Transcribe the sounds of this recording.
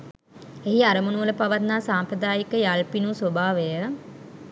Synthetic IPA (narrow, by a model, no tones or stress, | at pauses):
eɦiaɾəmunuʋələpaʋat̪naːsaːmpɾəd̪aːjikəjalpinusʋobʱaːʋejə